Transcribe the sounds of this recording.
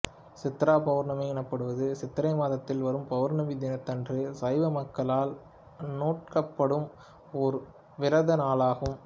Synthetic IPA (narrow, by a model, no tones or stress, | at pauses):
sɪt̪ːɐɾaːpɐʋɐɾnɐmɐɪɛnɐpːɐɽɯʋɐðɯsɪt̪ːɐɾɐɪmaːðɐt̪ːɪlʋɐɾɯmpɐʋɐɾnɐmid̪ɪnɐt̪ːɐndrɯsɐɪʋɐmɐkːɐlaːl | noːʈ̚kɐpːɐɽɯm | ɔɾ | ʋɪɾɐðɐnaːlaːɣɯm